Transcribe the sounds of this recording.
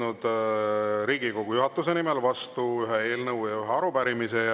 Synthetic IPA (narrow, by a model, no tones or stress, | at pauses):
nud̪̥ | ɾiːɡiko̞ɡ̥ujuɦɑt̪ːˑuse̞nimelvɑst̪uyɦɛe̞ːlnɤuwjɑyɦeɑɾupæɾimise̞